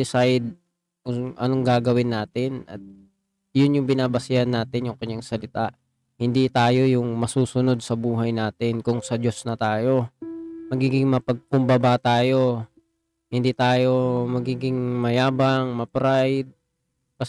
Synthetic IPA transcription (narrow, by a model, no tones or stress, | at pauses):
ɪsajd̪̚ | kʊʔɐnoŋɡaːɡɐwɪnːaːt̪ɪnɐ̰t̪̚ | jʊnjʊŋbɪnaːbɐsɪanːaːt̪ɪnjʊŋkɐɲːaŋsɐlɪt̪aʔ | hɪnd̪it̪aːjo̞jʊŋmɐsuːsʊno̞d̪̚sɐbuːɦɐjnaːt̪ɪnkʊŋsɐd͡ʒo̞snɐt̪aːjo̞mɐɡiːɡɪŋmɐpɐɡ̚pʊmbɐbat̪aːjo̞ | hɪnd̪iːt̪aːjo̞mɐɡiːɡɪŋmɐjaːbɐŋmɐpɾajd̪̚ | pɐ